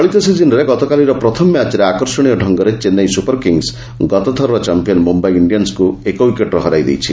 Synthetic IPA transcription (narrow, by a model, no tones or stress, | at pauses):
ɔɭit̪ɔsizinɔɾeɡɔt̪ɔkaliɾɔpɾɔt̪ʰɔmmjat͡ʃɾeakɔɾsɔɽ̃ijɔɖʱɔŋɡɔɾet͡ʃenːajsupɔɾkiŋɡs | ɡɔt̪ɔt̪ʰɔɾɔɾɔt͡ʃampijɔnmumbajiɳɖijɔnskuekɔwikeʈɾɔɦɔɾajd̪ḛjt͡ʃʰi